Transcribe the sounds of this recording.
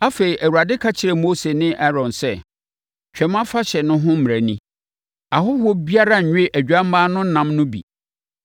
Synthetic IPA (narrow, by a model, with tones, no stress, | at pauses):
a˦fe˨ɾi˨ʔæ˨wu˨a˨dɪ˦kʰa˦t͡ɕʰɪ˨ɾɛ˨mo˦se˨nɪ̃˦ʔa˦ɾɔ̃˨nsɛ˦ | t͡ɕᶣɛ˨mã˦fa˦ɕɛ˨nʊ̃˦ɦʊ̃˦m̩˦m˨æ˨nĩ˦ | a˨ɦʊ˦ho˦bi˦a˦ɾa˦ɲ̩˨ɲᶣ˦e˦ʔæ˨d͡ʑᶣa˦m˦maː˦nʊ̃˦n̩˦nã˨˦mnʊ̃˦bḭ˨